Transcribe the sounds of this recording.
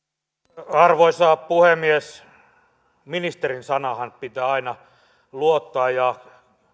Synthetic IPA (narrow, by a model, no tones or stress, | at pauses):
ɑrʋoisɑːppuhemːies | minist̪erinsɑnɑhɑnpit̪æːɑinɑ | luot̪ːɑɑːjjɑ